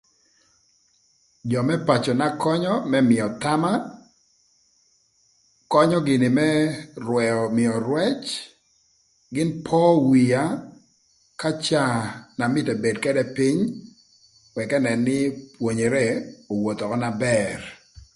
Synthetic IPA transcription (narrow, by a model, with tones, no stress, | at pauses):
d͡ʒɔ˨mɛ˦pa˨t͡ʃɔ˨na˦kɔ˦ɲɔ˦mɛ˦mɪ˨ɔ˨t̪a˦ma˦ | kɔ˦ɲɔ˦ɡɪ˨nɪ˨mɛ˦rwɛɔ˨mɪɔ˨ɾwɛ˦t͡ʃ | ɡɪ˦npʰɔ˦wija˦ | ka˦t͡ʃa˦na˨mɪ˦tɛ˨be˨dkɛ˦dɛ˦pɪ˦ɲ | wɛ˨kɛ˦nɛ˨nːɪ˦pwo˨ɲe˨ɾɛ˦o˨wo˨t̪ɔ˨kɔ˦na˦bɛr